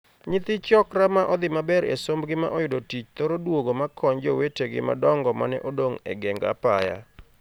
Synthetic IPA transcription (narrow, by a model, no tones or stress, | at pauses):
ɲɪt̪ɪt͡ʃɔkɾamaʔɔd̪ɪmabɛɾḛsombɡɪma̰ʔɔjʊdotit͡ʃt̪oɾodwoɡomakʰɔɲd͡ʒoweteɡɪ̰ma̰dɔŋɡɔma̰nɛ̰ʔodoŋɛ̰ɡɛŋɡa̰paja̰